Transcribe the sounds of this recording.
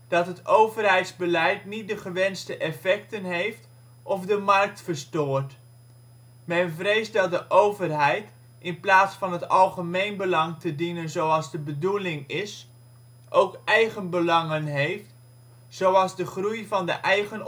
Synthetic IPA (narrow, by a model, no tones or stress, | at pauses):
d̥ɑtɦətowvərɦɛjtzbəlɛjtnit̚dəχəʋɛnstəʔɛfɛk̚tənɦejft | ʔɔfdəmɑrk̚tfəɹstoːɹt | mɛnvrejsdɑt̚dəʔowvərɦɛjt | ɪnplaːtsfɑnɦətɑlˠχəmejnbəlɑŋtədinənzowɑlˠzdəbədulɪŋɪs | ʔowkɛjχənbəlɑŋənɦejft | z̥owɑlˠzdəχrujvɑndə̰ʔɛjχən